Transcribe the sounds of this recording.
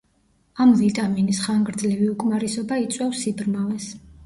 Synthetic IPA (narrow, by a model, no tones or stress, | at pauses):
amvit̪ʼaminisχaŋɡɾd̪zlɛviukʼmaɾisɔbait̪sʼwɛfsibɾmalɛs